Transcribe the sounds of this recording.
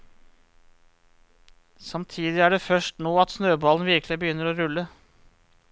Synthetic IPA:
sɑmt̪ʰiːd̪ɪæːɖeːfœʂʈnoːɑt̪snøːbɑːln̩ʋɪɾklɪbəjʏnːəɾoːɾʉlːə

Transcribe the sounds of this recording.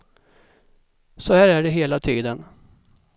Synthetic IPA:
sɔhæːɾæɖɛɦeːlat̪ʰiːd̪ən

